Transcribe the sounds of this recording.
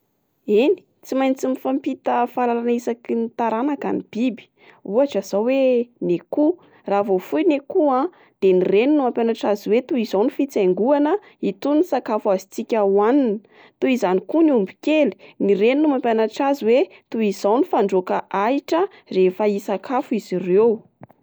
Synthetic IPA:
ini̥ | t͡simajnt͡simifampit̪əfalalanaisakinit̪aɾanaka̰nib̥ibi̥ | uaʈ͡ʂəz̥aweneku | ravofujnekuã | d̪̥enireninumampjanaʈ͡ʂazuwet̪uizawnifit͡saŋɡuanə | it̪unisakafuazit͡sikʲəwaninə | t̪uizanikuniumbikeli̥nireninumampjanaʈ͡ʂazuwe | t̪uiz̥awnifaɳɖ͡ʐokaʔaiʈ͡ʂə | refəisakʰafuizirew

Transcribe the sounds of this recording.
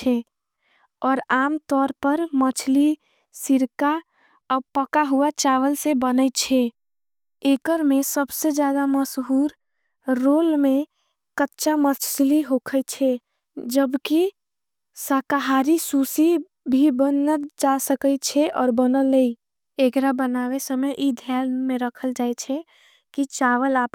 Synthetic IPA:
t͡ʃʰɛ | ɔːɾaːmt̪ɔːɾpəɾmət͡ʃʰli | siɾka | ɔpəkaɦuat͡ʃaːʋəlsebənət͡ʃʰɛ | eːkəɾmẽsəbsed͡ʒjaːd̪aməsɦuːɾː | oːlmẽ | kətːʃamət͡ʃsliɦokʰət͡ʃʰɛ | d͡ʒəbki | saːkaɦaːɾisuːsi | bʱibənəd͡ʒasəkət͡ʃʰɛʔɔːɾbənəlːei | ekɾabənaːwesəməjʔid̪ʱaːlmẽɾəkʰəld͡ʒaːet͡ʃʰɛ | kit͡ʃaːʋəlaːp

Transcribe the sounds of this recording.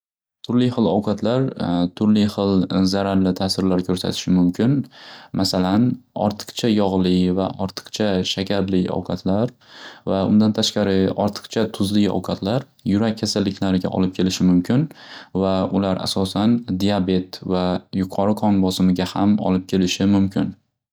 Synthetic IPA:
t̪ʰʊɾlɪχɨlˠɒwqʰɑt̪ʰlaɾt̪ʰʊɾlɪχɨlzaɾaɾlɪt̪ʰasɪɾlaɾkʰɵɾsa̰t̪ʰɪ̥ʃɪmʊmkʲʰɪnmasalanɒ̰ɾt̪ʰɨ̥qt͡ʃʰajɒʁlˠɪvaʔɒɾt̪ʰɨ̥qt͡ʃʰaʃakʲʰaɾlɪɒ̰wqʰɑt̪ʰlaɾvaʊ̰nd̪ant̪ʰaʃqɑɾɪɒɾt̪ʰɨ̥qt͡ʃʰat̪ʰʊzlɪɒ̰wqʰɑt̪ʰlaɾ | jʊɾak̚ʲʰːasalːɪkʲʰlaɾɪɡʲa̰ʔɒ̰lɪp̚kʲʰe̞lɪʃɪmʊmkʲʰɪnvaʊlaɾʔa̰sɒsand̪iabe̞t̪vajʊqʰɒɾɨqʰɒnbɒsɪmɪɡʲahamɒ̰lɪp̚kʲʰe̞lɪʃɪmʊmkʲʰɪn

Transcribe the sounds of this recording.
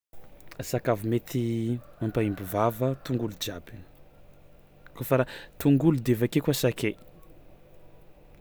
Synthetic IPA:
asakavumet̪ʰiampaimbuvavət̪uŋɡulud͡ʒabi | kofaɾat̪uŋɡulud̪evakekwasake

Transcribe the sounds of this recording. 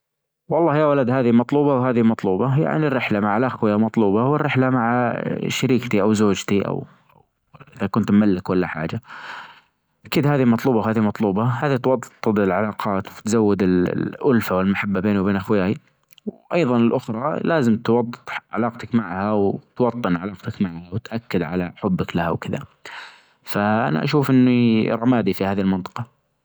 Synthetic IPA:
wɑlˤːɑːhjawalad̪haːðimɑt̪ˤluːbɑwhaːðimɑt̪ˤluːbɑja̰ʕnirːɪħlamaʕalaxwɪjamɑt̪ˤluːbɑwɪrːɪħlamaʕa̰ʃaɾiːkt̪iʔawzoːd͡ʒt̪iʔa̰w | a | ʔɪðakʊnt̪mːalːɪkwalːaħa̰ːd͡ʒa | ʔakiːd̪haːðimɑt̪ˤluːbɑwɦaːðimɑt̪ˤluːbɑhaːðit̪wɑd̪ˤːt̪ˤːɨd̪ˤɪlʕalɑːqʰɑːt̪wt̪zawːɪd̪ɪl̰ʔʊlfawɪlmaħabːabeːnwbeːnʔaxwɪjaːji | wʔɑjðˤɑnɪlʔʊxɾˤɑlaːzɪmt̪wɑd̪ˤːt̪ˤʕa̰lɑːqt̪akmaʕhawt̪wɑt̪ˤːɨnʕalɑːqt̪akmaʕhawt̪ʔakːɪd̪ʕa̰la̰ħʊbːaklaha̰wkɪða̰ | faʔa̰na̰ʔa̰ʃuːfʔɪnːiɾˤɑmaːd̪ifihaːðilmɪnt̪ˤɨ̥qɑ

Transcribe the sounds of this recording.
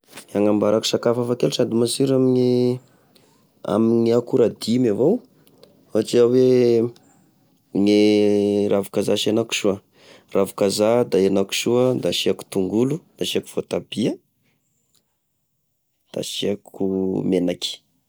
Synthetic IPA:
aŋambaɾaku̥sakafafakeluʈ͡ʂad̪imasiɾamiɲe | a̰miɲiakuɾad̪imavow | at͡ʃiawe | ŋerʔavukazaʃianaku̥ʃuə | ravu̥kazad̪aenaku̥ʃuəd̪aʃiaku̥t̪uŋɡulud̪aʃiaku̥v̥ot̪ab̥iə | d̪̥a̰ʃiakumenaki̥

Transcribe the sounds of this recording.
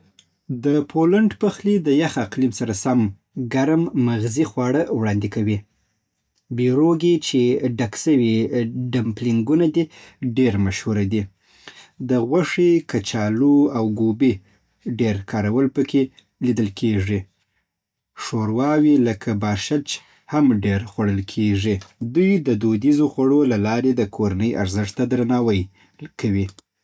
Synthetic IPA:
d̪əpʰolaɳɖpəxlid̪əjaxaqlimsaɾasam | ɡaɾmːaɣzixwɑɽəwɽɑnd̪ikawi | biɾoɡit͡ʃeɖaksəwiɖamplɪŋɡunad̪iɖeɾmaʃhuɾad̪i | d̪əɣwaʂikat͡ʃɑluawɡube | ɖeɾkʰɑɾawəlpəkʰe | lid̪əlkʰeʐi | ʂoɾwɑwiləkʰabɑʃat͡ʃ | hamɖeɾxwaɽəlkʰeʐid̪ujd̪əd̪od̪izoxwaɽolalɑɾed̪əkʰoɾanəjʔa̰ɾzɪʂt̪ad̪ɾanɑwəj | kʰawi

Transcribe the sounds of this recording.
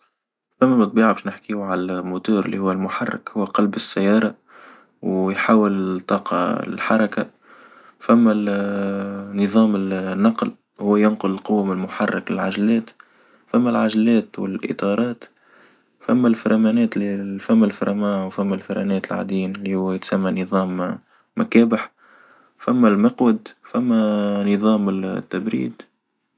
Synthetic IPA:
fæmːæmt̪ˤbiːʕabɛːʃnɪħkiʕalmʊt̪uːɾɪlːḭhʊwːælmʊħɑrˤːɪ̰khʊwːæqɑlbɪsːajːɑːɾˤɑ | wjħaːwɪlt̪ˤːɑːqɑ̰lħɑɾˤɑka | fæmːæ | nːɨðˤɑːmɪlnːɑql | hʊwːæjʊnqʊlɪlqʊwːæmɪnmʊħɑrˤːɑklɪlʕaʒælɛːt̪ | fæmːælʕaʒlɛːt̪wɪ̰lʔɪ̰t̪ˤɑːɾˤɑːt̪ | fæmːælfɪɾˤʔɑmæːnɛːt̪lfæmːælfɪɾˤɑmæːwfæmːælfɪɾˤʔa̰nɛːt̪ɪlʕa̰d̪iːnɪlihʊwːæjɪt̪samːanɨðˤɑːmː | akæːbəħ | fæmːælmɑqwəd̪fæmːænɨðˤɑːmɪt̪ːabɾḭːd̪

